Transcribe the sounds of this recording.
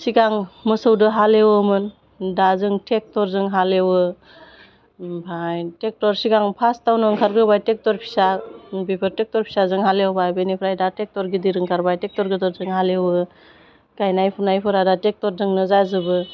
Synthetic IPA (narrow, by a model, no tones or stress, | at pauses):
siɡaŋmɯsɯwdɯɦalewmɯn | dazɯŋtʰek̚tɔɾzɯŋɦalewɯ | bʰajtek̚tɔɾsiɡaŋpʰastawnɯŋkʰaɾɡɯbajtek̚tɔɾpʰi̥sabipʰɯɾtek̚tɔɾpʰi̥sazɯŋɦalewbajbenipʰɾajdatek̚tɔɾɡidiɾɯŋkʰaɾbajtek̚tɔɾɡɯtɔɾzɯŋɦalewɯ | ɡ̥ajnajpʰunajpʰɯɾadatek̚tɔɾzɯŋnɯzazɯbɯ